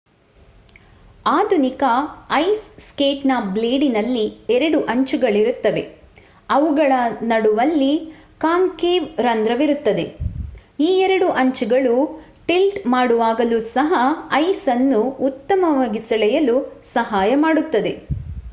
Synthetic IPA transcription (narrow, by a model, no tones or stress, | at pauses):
aːd̪ʱunikɐɐjsskeːʈnaːp̚bleːɖinɐlːiɛɾɐɽuʔɐɲt͡ʃuɡɐɭiɾut̪ːɐʋe̞̰ | ɐʋuɡɐɭɐnɐɽuʋɐlːikaːŋkeːʋɾɐnd̪ɾɐʋiɾut̪ːɐd̪e̞̰ | iːɛɾɐɽuʔɐɲt͡ʃuɡɐɭu | ʈilʈmaːɽuʋaːɡɐlusɐɦɐɐjsɐnːuːt̪ːɐmɐʋaːɡisɐlɛjɐlusɐɦaːjɐmaːɽut̪ːɐd̪e̞